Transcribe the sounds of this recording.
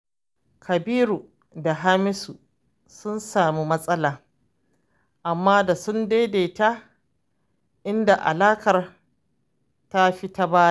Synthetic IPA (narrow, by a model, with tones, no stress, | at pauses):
kʰɐ˨biː˦ɾuː˨ | da˨ɦa˦mɪ˦su˨ | sʊ˦nsaː˨mi˦mɐ˦sʼɐ˦laː˨ | ʔa˨mːaː˦da˨sʊ˦ndeː˦deː˨ta˦ | ʔɪ˦nda˨ʔa̰˨laː˦kɐ˨r | ta˦ɸi˦ta˦baː˦ja˦˨